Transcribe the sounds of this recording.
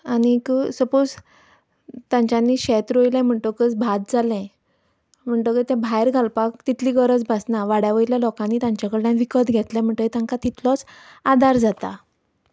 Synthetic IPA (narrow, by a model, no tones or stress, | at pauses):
anikəsəpod͡z | t̪ãɲt͡ɕjanːiːɕɛt̪ɾojlɛ̃m̤əɳt̪əkət͡sbʱat̪̚d͡zalɛ̃ | m̤əɳʈ̪əkət̪ɛ̃bʱajɾɡʱalpakt̪it̪ʰliːɡəɾət͡sbʱasnaʋaɽjaʋəjiljalɔkãnːiːt̪jãɲt͡ɕakəɭʈãʋikəd̪ɡʱɛt̪lɛ̃m̤əɳt̪əket̪ãŋkat̪it̪ʰlɔt͡sad̪aɾd͡zat̪a